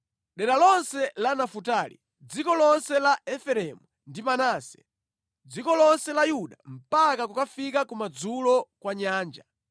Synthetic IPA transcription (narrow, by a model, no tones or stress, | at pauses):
ɗɛɗalɔnsɛlanafutaːlḭ | d͡zikɔlɔnsɛlaɛfɛɾɛmu | ndimanaːsɛ̥̰ | d͡zikɔlɔnsɛlajuɗam̩pakakukafikakumad͡zulɔkwaɲaːnd͡ʒa